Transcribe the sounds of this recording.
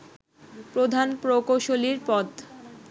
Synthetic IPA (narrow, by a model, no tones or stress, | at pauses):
pɾod̪ʱanpɾokoʃoliɾpɔt̪